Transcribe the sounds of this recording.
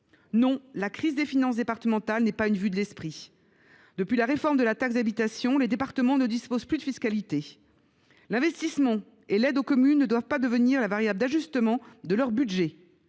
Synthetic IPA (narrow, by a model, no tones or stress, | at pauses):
nɔ̃lakχizd̪efinɑ̃s̬d̪epaʁt̪əmɑ̃t̪alnɛpaynvyd̪əlɛspχi | d̪̥əpɥilaʁefɔʁmd̪əlat̪aks̬zd̪abit̪asjɔ̃led̪epaʁt̪əmɑ̃nəd̪ispoz̥plyd̪əfiskalit̪e | lɛ̃vɛst̪ismɑ̃ | elɛd̪okɔmynːəd̪wavpad̪əvəniʁlavaʁjabld̪aʒyst̪əmɑ̃d̪əlœʁbyd̪ʒɛ